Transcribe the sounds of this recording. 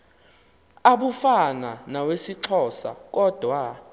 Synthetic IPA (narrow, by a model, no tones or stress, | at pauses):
aɓufananawesiǀʰɔːsa̰k̬ʼɔd̥ʱwa